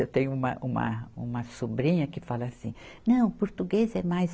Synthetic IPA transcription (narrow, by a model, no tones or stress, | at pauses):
ewt̪ẽɲʊũmɐ̰ʔũmɐ̰ũmɐsobɾĩɲɐkɪfalɐasĩnɐ̃w̃poɾt̪uɡezɛmajz